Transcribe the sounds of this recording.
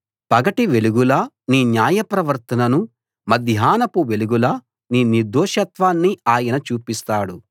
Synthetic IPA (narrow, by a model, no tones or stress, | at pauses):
pɐɡɐʈiʋe̞luɡulɐ | niːnjaːjɐpɾɐʋɐɾt̪ɐnɐnu | mɐd̪ʱjaːnɐpuʋe̞luɡulɐ | niːniɾd̪ɔːʃɐt̪ʋaːnːiaːjɐnɐt͡ʃuːpist̪aːɽu